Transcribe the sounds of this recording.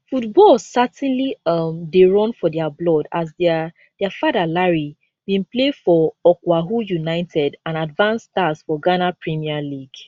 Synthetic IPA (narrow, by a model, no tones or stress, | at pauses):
futbɔlsatɛ̃nliɔmdeɹɔ̃nfɔdɛablɔdazd | d̥ɛafadalaɹi | bĩnplefɔɔkwaɦujunaɪtʰɛdãnadvãnstasfɔɡanapɹimialiɡ